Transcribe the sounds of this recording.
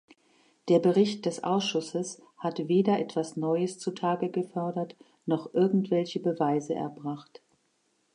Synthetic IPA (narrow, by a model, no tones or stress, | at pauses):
d̥eːɐbəʁɪçt̚d̥ɛsʔa̰ʊsʃʊsəs | hatveːdɐʔɛtv̥asnɔʏəst͡sutʰaːɡəɡəfœɐdɐt | nɔχʔɪɐɡŋ̩tv̥ɛlçəbəvaɪzəʔɛ̰ɐbʁaχt